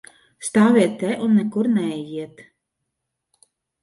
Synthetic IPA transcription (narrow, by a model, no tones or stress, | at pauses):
st̪aːvʲiɛt̪ːɛʔunːɛkuɾnɛɛjiɛt̪